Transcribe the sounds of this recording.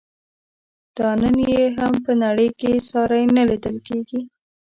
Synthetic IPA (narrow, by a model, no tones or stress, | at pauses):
d̪̥ɑnənjjeɦampənaɽəjkesɑɾajnalid̪əlkeɡi